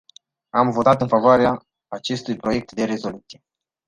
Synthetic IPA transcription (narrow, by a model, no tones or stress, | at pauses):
amvo̞t̪at̪ɨnfavoaɾeaː | t͡ʃe̞st̪ujpɾo̞je̞k̚t̪d̪e̞ɾe̞zo̞lut̪sije̞